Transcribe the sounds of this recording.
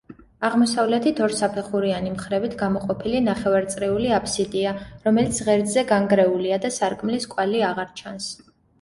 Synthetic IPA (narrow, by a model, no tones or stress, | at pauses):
aʁmɔsavlɛt̪ʰit̪ʰɔɾsapʰɛχuɾianimχɾɛbit̪ʰɡamɔqʼɔpʰilinaχɛvaɾt̪sʼɾiuliapʰsid̪iaɾɔmɛlit̪sʰʁɛɾd̪zɛɡaŋɡɾɛuliad̪asaɾkʼmliskʼwaliaʁaɾt͡ʃʰans